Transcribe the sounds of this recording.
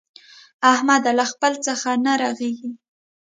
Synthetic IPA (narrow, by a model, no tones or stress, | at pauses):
ahmad̪alaxpəlt͡səxanaɾaɣeɡi